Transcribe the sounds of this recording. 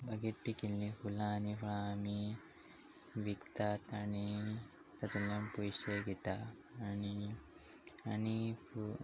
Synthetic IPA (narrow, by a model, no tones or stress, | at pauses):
bʱɐɡit̪̚pikilːifulaːnifuɭaːmi | ʋikt̪at̪ɐni | t̪ɐt̪ulːɐmpuiseɡit̪a | ɐni | ɐnipu